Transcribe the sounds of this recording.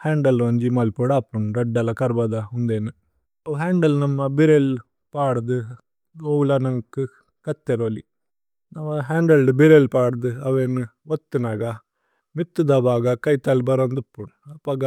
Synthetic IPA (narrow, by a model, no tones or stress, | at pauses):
heːɳɖɐlʋɐɲd͡ʒimɐlpoːɽaːpːɾɔnɾɐɖːɐlɐkɐɾbɐðaʊnd̪eːnɯ | ɐɦeːɳɖɐlnɐmːɐbɪɾel | paːɽðɯ | ɡolanɐŋɐkːɯ | kɐt̪ːeɾoːlḭ | nɐmːɐɦaːɳɖɐlɖbɪɾelpaːɽðɯɐʋenɯ | ʋɐt̪ːɯnaːɣa | mɪt̪ːɯd̪ɐbaːɣɐkɐɪt̪ːaːlbɐɾɐnd̪ɯpːonɐpːɐɡɐ